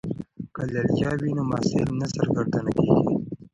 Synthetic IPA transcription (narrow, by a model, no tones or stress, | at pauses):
kalaljɑːwinomɑːselnazəɾɡəɾd̪anakeːɡḭ